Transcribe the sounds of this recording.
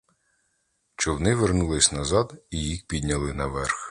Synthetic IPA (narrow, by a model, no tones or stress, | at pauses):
t͡ʃɔwnɪʋernulˠɪsʲnɐzɑd̪ijixpʲid̪ʲnʲɐlˠɪnɐʋɛrx